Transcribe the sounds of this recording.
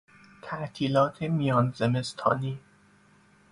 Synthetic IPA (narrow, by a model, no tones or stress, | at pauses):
t̪ʰæʔt̪ʰiːlɒːt̪ʰemijɒːnzeme̞st̪ʰɒ̰ːniː